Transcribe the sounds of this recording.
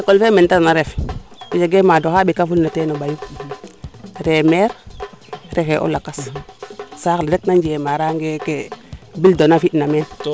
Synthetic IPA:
ekolfementanaɾɛfid͡ʒeɡemadoxabikafulnatenobaju | ɾemɛɾ | ɾɛkeʔo̰lakas | saklɾek̚naɲd͡ʒemaɾaŋɡekebildonafitnamɛn

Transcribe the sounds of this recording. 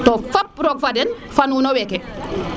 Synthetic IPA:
tɔfap̚ɾɔk̚fadɛn | fanunɔwɛkɛ

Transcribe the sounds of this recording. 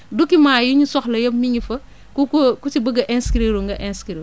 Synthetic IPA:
dukimaːjiɲusɔxlɐjɐpmiŋɡifɐ | kuukut͡ʃibəɡɐʔɛnskɾeɾuŋɡɐʔɛnskɾe

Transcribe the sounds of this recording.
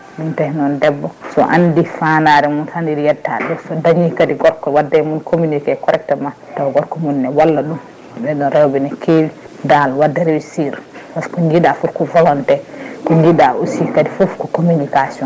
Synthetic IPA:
ɗuntahɛnɔndɛbːɔsɔ̰ʔandifanaɾɛmuntandiɾijɛtːa̰ɗɛsɔdaɲikadiɡɔɾkɔwadːɛmunkʰomunikɛkɔɾɛk̚tɛma | tɔɡɔɾkɔmunːɛwalːaɗum | bɛɗɔnɾɛwbɛnɛkʰewi | ndalwadːɛɾewisiɾwaskɔɲɡiɗafufkɔvɔlɔntɛkɔɲɡiɗausikadifofkɔkomunikasiɔn

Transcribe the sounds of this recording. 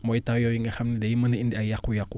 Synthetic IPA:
mɔitawjawiŋaxamnidajimənəindiajakujaku

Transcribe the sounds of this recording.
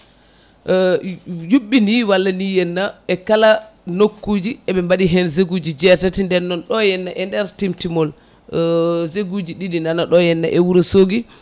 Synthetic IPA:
juɓːiniwalːanijɛnːaɛkalanokːud͡ʒiɛɓɛmbaɗiɦɛnzeɡud͡ʒid͡ʒɛtatindɛnːɔnɗɔjɛnːaʔɛndɛɾtimtimɔl | zeɡud͡ʒiɗidinanaɗɔjɛnːaʔɛwuɾɛsoɡi

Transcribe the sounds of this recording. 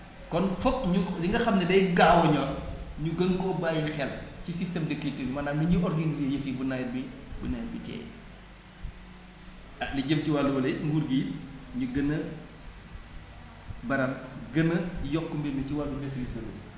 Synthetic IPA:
kɔnfɔkɲudiŋɡɐxɐmnɐdɛjɡaːwɔɲɔnɲuɡəŋkɔbaːjixɛlcisistɛmdəkːitəɲumɐnamiɲiʔɔrɡɐnizejəfibunajrbibunajbitɛ̰ːj̰ | ɐliɟəmciwalːuwɐlɐŋɡuɾɡiːɲuɡənːə | bɐɾɐmɡənːəjɔkːumbeiciwalːumɛfɾistɐlṵ

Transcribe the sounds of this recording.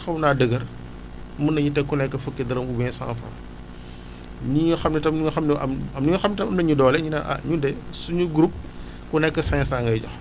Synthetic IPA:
xɐwnaːdəɡɐr | mɐnɐɲutɛkunɛkːɐfukːɛdɐɾɐmubɛnsa̰ːnfɐ̰m | ɲiɲuxɐmnɛtɐmnuŋɐxɐmnɛʔɐ̰mɐmniŋɐxɐmnitɐmɐmnɐɲudɔːlɛɲinaʔɐ̰ɲudɛsuɲuɡɾup̚ | kunɛkːɐsɐɲsaːŋɡɐjɟɔ̰x

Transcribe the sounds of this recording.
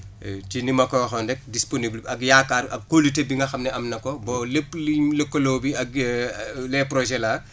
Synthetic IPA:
tinimɐkɔwɐxɔndɛk̚disponiblɐkjakːaːrɐkkːolitebiŋɡɐxɐmnɛʔɐmnɐkɔbɔːlepːliləkːolɔːbiɐk̚ | lɛːpɾɔʒɛla

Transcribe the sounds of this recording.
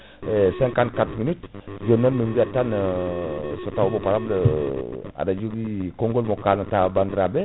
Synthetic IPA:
esɛŋkankatminitd͡ʒonːonːuŋɡiatan | sotawbopaɾablə | a̰dad͡ʒoɡikoŋɡolmokanatabandɾabe

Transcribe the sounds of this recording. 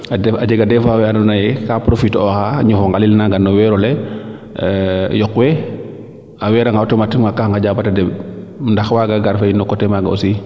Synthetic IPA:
aad͡ʒɛɡadɛfawɛanɔnajɛkapɾofitɔxaɲufɔŋɡalilnaɡanːɔwɛɾɔlɛ | jɔkwɛ | awɛːɾaŋɡawtɛmatiŋmakaxŋɡaɟabatadɛbndaxwaɡaɡaɾfainːɔkɔtɛmaɡao̰si

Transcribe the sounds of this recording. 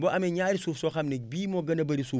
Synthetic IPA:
boʔameɲaɾisufsoxamnek̚bimoɡɐnɐbɐɾisu

